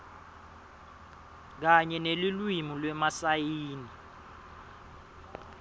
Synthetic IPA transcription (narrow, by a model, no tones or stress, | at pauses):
k̬aɲɛnelilwimulwɛmasajiːni